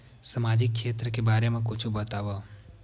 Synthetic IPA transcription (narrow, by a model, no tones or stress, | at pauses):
səmad͡ʒik̚ʃet̪ɾəkebaɾemãkot͡ʃʰũbət̪aʋo